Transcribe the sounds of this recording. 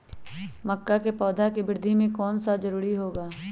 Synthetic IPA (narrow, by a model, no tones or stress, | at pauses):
mɐkːakepɔːd̪ʱakibɪɾd̪ʱimẽkɔːnsad͡ʒɐɾuːɾiɦoːɡaː